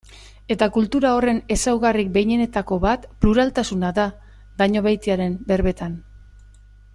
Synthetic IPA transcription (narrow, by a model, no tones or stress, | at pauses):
e̞t̪akult̪uɾao̞re̞ne̞sawɣarik̚be̞jɲe̞ne̞t̪ako̞βat̪pluɾalt̪asunaða | d̪aɲo̞βajt̪iaɾe̞mbe̞ɾβe̞t̪an